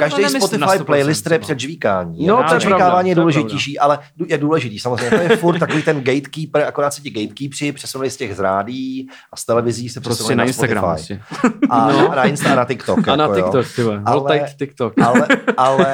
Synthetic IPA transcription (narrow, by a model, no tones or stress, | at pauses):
kaʒdejspot̪ɪfajplɛjlɪst̪ɛɾjɛpr̥ɛd̪ʒviːkaːɲiːjoɾɛdʒvikaːvaːɲiːjɛduːlɛʒɪcɛjʃiːʔalɛdjɛduːlɛʒɪt̪iːsamozrɛejɲːɛojɛfuɾt̪ːakoviːt̪ɛnɡɛjt̪kiːpɾʔakoɾaːt̪sɛcɪɡɛjt̪kiːpr̥ɪpr̥ɛsunulɪscɛɣzɾaːdɪjiː | ʔast̪ɛlɛvɪziːsɛpɾosulɛnaɪsnpoaɪɡɾa̰fa̰jɛʔanaɪnst̪anat̪ɪkt̪okjanaojɪoːt̪ok̪ɪbaalajt̪ɪkt̪okalɛalɛ